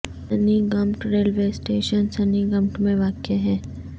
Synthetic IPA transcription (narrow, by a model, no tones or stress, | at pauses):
ɐniɡɐmʈɾeːlʋeːsʈeːʃənsɐniɡɐ̃mʈmẽʋaːkeɦɛ̃ː